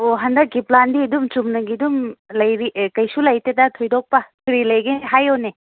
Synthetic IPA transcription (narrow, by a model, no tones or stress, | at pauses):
oɦɐndɐk̚ɡiplandiɐdumt͡ʃumnɐɡidumlɐjɾikɐjsulɐjtedɐtʰojdɔk̚pɐkʰɾilɐjɡenɦajone